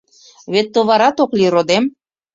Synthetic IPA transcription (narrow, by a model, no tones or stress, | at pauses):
βet̪ːəβɑɾɑt̪oklʲiɾod̪em